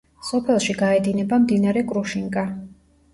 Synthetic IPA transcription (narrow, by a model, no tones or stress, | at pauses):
sɔpʰɛlˠʃiɡaɛd̪inɛbamd̪inaɾɛkʼɾuʃiŋkʼa